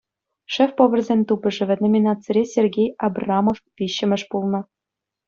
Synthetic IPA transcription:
ʂɘfpŏʋɤ̆rʲzʲenʲt̪ubʲɘ̆ʐɘ̆ʋʲɘ̆nomʲinɑt͡sɘɾʲesʲerɡʲejɑbrɑmoftʲiɕːɘ̆mʲɘ̆ʂpulˠnɤ̆

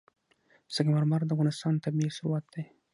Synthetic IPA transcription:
saɡmaɾmɑɾd̪əavɣɑnɪst̪ɑnt̪abisʊɾwat̪̚d̪̥aj

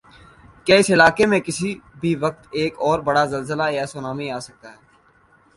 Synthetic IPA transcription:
kjaɪsɪlaːkemẽkɪsibʱiʋɐk̚t̪eːkɔːɾbɐɽazɐlzəlajaːsoːnaːmiaːsɐk̚t̪aɦɛː

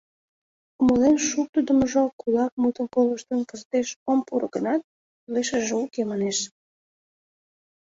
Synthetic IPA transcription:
uməlenʃuk̚t̪əd̪əməʒokulɑk̚mut̪ə̆nkoləʃt̪ənkəzt̪eʃompuɾɡənɑt̪̚ | leʃəʒeukemɑneʃ

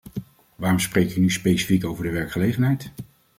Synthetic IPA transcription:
ʋaːrɔmsprejkɪnyspejsi̥fikowvəɹdəʋɛɹkχəlejχənɦɛjt

